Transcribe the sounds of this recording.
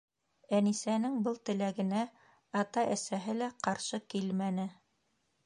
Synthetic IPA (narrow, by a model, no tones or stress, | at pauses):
ænisænɘŋbɤlˠt̪ɘ̆læɡɘ̆næ | ɑt̪ɑʔæsæɦɘlæqɑɾʃɤkilmænɘ